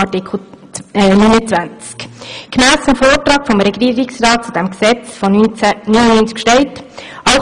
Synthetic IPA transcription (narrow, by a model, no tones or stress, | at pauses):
nynət͡sʋænt͡skkmæːst͡sumfoːɾtɾɑːkfɔmɾɛɡiːɾɪksrɑːt̚t͡sud̥̪ɛmksɛt͡sfɔnynənynt͡skʃtɛltɑʊ